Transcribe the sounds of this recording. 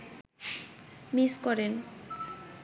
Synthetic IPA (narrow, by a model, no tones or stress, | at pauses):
miskɔɾen